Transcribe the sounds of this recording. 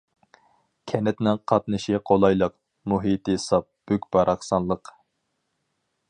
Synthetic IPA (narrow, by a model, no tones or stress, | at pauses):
kʲʰɛnɛt̪nɪŋqʰɑt̪nɨʃiqʰolˠɑjlˠəq | muɦit̪ʰɨsɑp̚b̥ykʲb̥ɑɾʔɑχsɑnlˠəq